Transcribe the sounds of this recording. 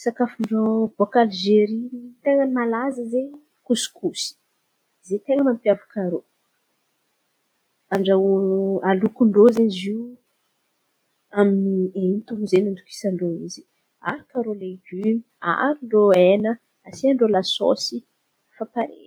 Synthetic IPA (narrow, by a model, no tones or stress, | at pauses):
sakafuɳɖ͡ʐobokalʒeɾinit̪eŋəmalazəze | kusu̥kusi̥ | zet̪eŋəmampjavukaɾo | aɳɖ͡ʐawalukuɳɖ͡ʐozezi | aminient̪umizenind̪uki̥saɳɖ͡ʐoizi̥ | a̰ɾukaɾoleɡymia̰ɾiɳɖ͡ʐoenə | asiaɳɖ͡ʐolaso̰si | fapaɾḛ